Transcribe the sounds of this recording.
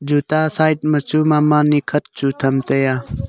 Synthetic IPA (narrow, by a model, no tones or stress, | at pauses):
d͡ʒut̪asaːjʈ̚mət͡ʃʰuːmaːmaːnikʰət̪̚t͡ʃʰut̪ʰɐmt̪ejaː